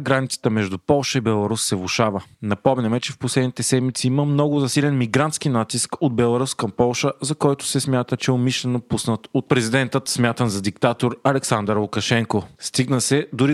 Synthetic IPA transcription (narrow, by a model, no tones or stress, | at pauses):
ɡɾanit̪sə̥t̪əmɛʒd̪upɔlˠʃəibɛlˠɐɾusːɛvʊʃavənɐpɔmnʲɐmɛt͡ʃɛfposlɛd̪nit̪ɛsɛd̪mit̪siiməmnɔɡʊzɐsilɛnmiɡɾant̪sk̟inat̪iskod̪bɛlˠɐɾuskɐmpɔlˠʃəzɐkɔjt̪ʊ̥sɛsmʲjat̪ət͡ʃɛomiʃlɛnopusnət̪ot̪̚pɾɛzid̪ɛnt̪ət̪smʲjat̪əmzɐd̪ikt̪at̪oɾɐlɛksand̪əɾlˠʊkɐʃɛŋkost̪iɡnəsɛd̪ʊɾi